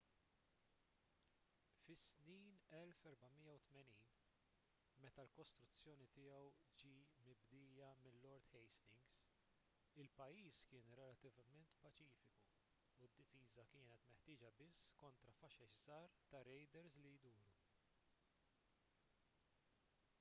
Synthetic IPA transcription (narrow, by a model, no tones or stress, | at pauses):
fɪsniːnɛlfɛɾbɐmɪjːɐwt̪mɛniːn | mɛt̪ɐlkɔst̪ɾʊt͡sːjɔːnit̪ɪːjɛwd͡ʒiːmɪbd̪ɪːjɐmɪlːɔɾt̪ħɛjst̪ɪŋɡs | ɪlpɐjːiːskɪːnɾɛlɐt̪ɪvɐmɛnt̪pɐt͡ʃiːfɪkuː | d̪ːɪfiːzɐkɪːnɛt̪mɛħt̪ɪːd͡ʒɐbɪsːkɔnt̪ɾɐfɐʃɛʃzɐːɾt̪ɐɾɛjd̪ɛɾslijd̪uːɾu